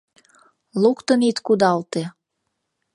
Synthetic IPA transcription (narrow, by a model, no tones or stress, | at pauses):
lukt̪ə̆nit̪kud̪ɑlt̪e